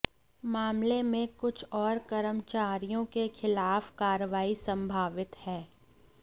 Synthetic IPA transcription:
maːmlemẽkʊt͡ʃʰɔːɾkəɾəmt͡ʃaːɾijõkexʰɪlaːfkaːɾəʋaːisə̃mbʱaːʋɪt̪hɛː

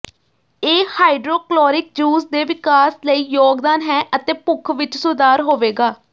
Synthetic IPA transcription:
eːhaːɪɖɾoːklɔːɾɪk̚d͡ʒuːsd̪eːʋɪkaːsləiːjoːɡd̪aːnɦɛ̃ːʔət̪ẽːpʊkʰʋɪt͡ʃsʊd̪aːɾɦoːʋeːɡaː

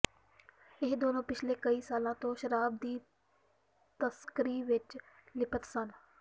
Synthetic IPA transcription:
ɪɦd̪oːnõːpɪt͡ʃʰleːkəiːsaːlãːt̪õːʃəɾaːb̚d̪iː | t̪əskəɾiːʋɪt͡ʃ | lɪpət̪sən

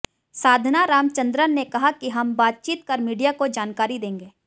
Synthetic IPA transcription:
saːd̪ʱnaɾaːmt͡ʃɐ̃nd̪ɾənekɐɦakiɦɐmbaːt̪̚t͡ʃiːt̪̚kɐɾmiːɖijakod͡ʒaːnkaːɾid̪ẽːŋɡeː

